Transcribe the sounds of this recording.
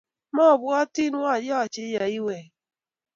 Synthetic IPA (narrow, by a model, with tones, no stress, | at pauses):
mɔ˦˨bʊ˦a˦ti˦nu˦a˨jɔ˦˨t͡ʃɪ˦ja˨i˦we˨